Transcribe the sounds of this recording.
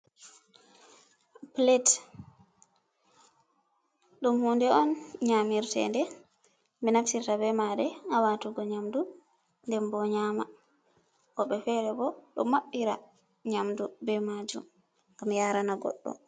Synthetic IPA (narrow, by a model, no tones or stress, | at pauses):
plet | ɗumhundɛɔnɲamiɾtɛ̰ndɛ | bɛnafsiɾtabɛmaɗɛawatuɡɔɲamdu | ndɛmbɔɲaːma | kɔɓɛfɛɾɛbɔɗɔ̰maɓːiɾa | ɲamdubɛmad͡ʒṵm | kamijaːɾanaɡɔ̰ɗːɔ̰